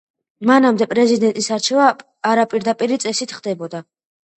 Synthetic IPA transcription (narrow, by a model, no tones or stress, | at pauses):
manamd̪ɛpʼɾɛzid̪ɛnt̪ʼisaɾt͡ʃʰɛvaː | ɾapʼiɾd̪apʼiɾit̪sʼɛsit̪ʰχd̪ɛbɔd̪a